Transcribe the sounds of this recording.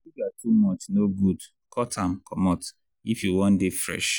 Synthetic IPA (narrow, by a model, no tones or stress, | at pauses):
iɡatʰumɔt͡ʃnoɡud | kʰɔtʰãm̩kʰɔmɔt | ifjuwɔ̃ndefɹɛ̰ʃ